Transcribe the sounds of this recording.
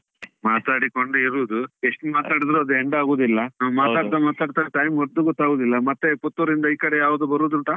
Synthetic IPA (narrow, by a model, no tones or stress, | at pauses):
maːt̪aːɽikoɳɖuiɾuːd̪ue̞ʂʈumaːt̪aːɽid̪ɾuɐd̪ueɳɖaːɡoːd̪ilːɐamaːt̪aːɽt̪amaːt̪aːɖt̪aːʈɐjimɡoɾd̪ːuɡɔt̪ːaːɡoːd̪ilːɐmɐt̪ːeput̪ːuɾind̪ɐiːkɐɽejaːʋud̪ubɐɾuːd̪uɳʈ̪aː